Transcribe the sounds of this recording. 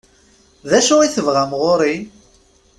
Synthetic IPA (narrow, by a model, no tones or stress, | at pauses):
ðæʃʊʁiθəvʁamʁoɾi